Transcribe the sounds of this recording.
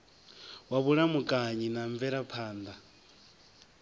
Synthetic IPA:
waβuɺamukʼaɲinaɱvɛɺapʰaːnd̪a

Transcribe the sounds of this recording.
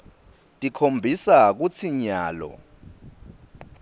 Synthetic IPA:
tʼikʰombʱisak̬ut͡sʰiɲaːlɔ̰

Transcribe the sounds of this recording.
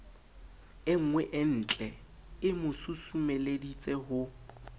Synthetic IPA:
ɪŋ̩ŋwɛʔɪn̩t͡ɬʼɛ | ɪmʊsʊsumeledit͡sʼɛɦʊ

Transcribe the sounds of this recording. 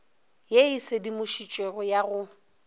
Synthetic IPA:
jeɪsɪdimʊʃit͡ʃʼweɣɔjaɣʊ

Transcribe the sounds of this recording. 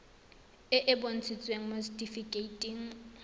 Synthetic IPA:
ɪʔɪbon̩t͡sʰɪt͡sʼweŋ̩mostʼifikʼeitʼiŋ̩

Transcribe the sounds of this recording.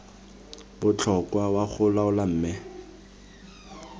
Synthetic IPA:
bʊt͡ɬʰɔkwawaχʊlaʊlam̩ːmɛ

